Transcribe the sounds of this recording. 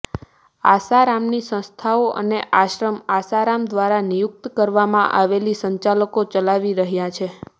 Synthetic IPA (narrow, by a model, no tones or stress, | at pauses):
a̰saɾamnisə̃st̪ʰaoʔə̰neʔaʃɾəmasaɾamd̪ʋaɾanijʊk̚t̪kəɾʋamãʔaʋelisəɲt͡ʃaləkot͡ʃəlaʋiɾəɦjat͡ʃʰe